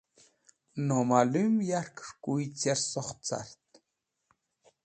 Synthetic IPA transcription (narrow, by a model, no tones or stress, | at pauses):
nɔmalymjaɾkʂkujt͡seɾsɔχt͡sa̰ɾt̪